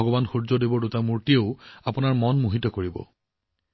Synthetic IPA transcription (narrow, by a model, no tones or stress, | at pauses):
ɔɡɔbanxuɹzɔdibɔdutamuɹtieʊapʊnaɹmɔnmuɦitɔkoɹibɔ̰